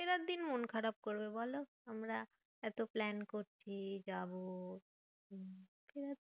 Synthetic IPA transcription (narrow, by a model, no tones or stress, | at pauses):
keɾad̪ːinmonkʰəɾab̚koɾbebɔloɦəmɾa | ɛt̪oplɛnkoɾt͡ɕʰid͡ʒabo | kʰeɾat̪